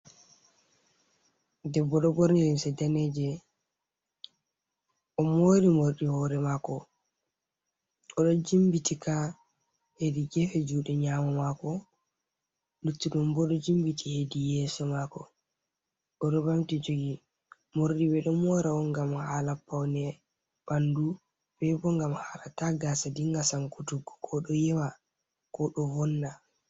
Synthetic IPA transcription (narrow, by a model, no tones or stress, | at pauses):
dɛbːɔɗɔbɔɾniɾinsɛdanɛd͡ʒɛ | ʔɔmoːɾimoɾɗihɔːɾɛmakɔ | ʔɔɗɔd͡ʒimbitika | hediɡɛfɛd͡ʒuːɗɛɲaːmamakɔ | lutːiɗɔmbɔɗɔd͡ʒimbitʰihedijɛːsɔmakɔ | ʔɔɗɔbamtid͡ʒoɡi | moɾɗiwɛɗɔmɔɾawɔŋɡamhaːlapːawnɛ | b̥andu | bɛbɔŋɡamhalataɡaːsadiŋɡasaŋkutuɡɔkʰɔɗɔjɛwa | kɔɗɔvɔnːa